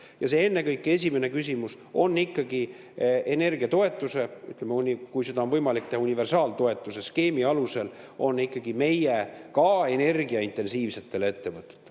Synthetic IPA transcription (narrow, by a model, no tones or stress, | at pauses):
jɑse̞e̞nːe̞kɤjkːˑe̞s̬ʲime̞ne̞kys̬ʲimus | o̞nːikːɑɡi | ene̞rɡ̥iɑt̪o̞e̞t̪ːˑuse̞yt̪ˑlemeunʲikujse̞d̪ɑo̞nvɤjmɑlik̚t̪e̞hɑunive̞rsɑːlt̪o̞e̞t̪ːˑuse̞ske̞ːmiɑluse̞l | o̞nːikːɑɡ̥ime̞jekɑe̞ne̞rɡ̥iɑint̪ːe̞nsiːvse̞t̪ˑːe̞lee̞t̪ːe̞vɤt̪ːˑe̥t̪ːˑe